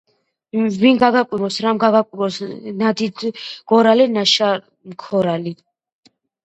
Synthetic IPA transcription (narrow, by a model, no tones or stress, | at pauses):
vinɡaɡakʼiɾɔsɾamɡaɡakʼiɾɔsnad̪id̪ʰɡ̥ɔɾalinaʃa | mkʰɔɾali